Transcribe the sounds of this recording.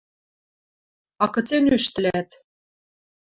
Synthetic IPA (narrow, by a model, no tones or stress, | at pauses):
ɑkɤ̆t͡senyʃt̪ɘ̆læt̪